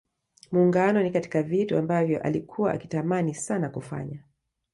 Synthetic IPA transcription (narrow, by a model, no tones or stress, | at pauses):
muːŋɡanɔnikati̥kavituambavjɔʔa̰likʰuwaʔa̰ki̥tamanisanakufa̰ɲa